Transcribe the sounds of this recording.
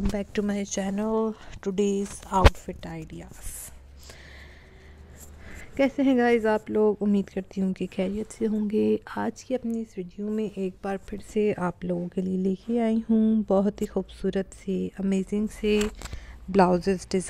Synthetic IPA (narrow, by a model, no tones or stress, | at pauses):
ɐmbɛːk̚ʈumaɪt͡ʃɛːnəlʈʊɖeːzaʊʈfɪʈaːɪɖijaːz̥ | kɛːseɦɛ̃ɡaːɪzaːploːɡʊmːiːd̪kɐɾt̪iɦũkexɛːɾijət̪seɦõːŋɡeːaːd͡ʒkiɐpniɪsɾuːɖijõmẽʔeːk̚baːɾpʰɪɾseaːploːɡõkelieleːkʰeaːĩɦũbɔɦʊt̪ɦixuːbsuːɾət̪seɐmeːzɪ̃ŋɡse | blaːʊzəɾzɖɪz